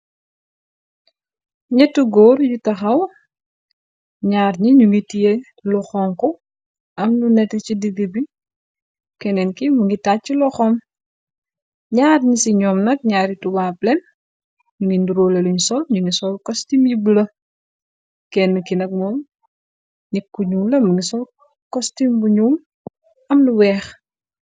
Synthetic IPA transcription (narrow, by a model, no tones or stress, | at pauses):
ɲɛtːuɡɔrjutɐxɐw | ɲaːrɲiɲuŋɡitije | lɔxɔːŋkɔ | ɐmnunɛtɐcididibi | kɛnɛnkimuŋɡitat͡ʃːilɔxɔm | ɲaːɾɲisiɲɔːmnɐk̚ɲaːɾituwaplɛn | ɲuŋɡinduɾoːleluɲsɔlɲuŋisɔlkɔstimjiblɐ | kɛnːukinɐk̚mɔːm | nikːuɲumlɐmuŋɡisɔl | kɔstimbuɲuːm | ɐmluwɛːx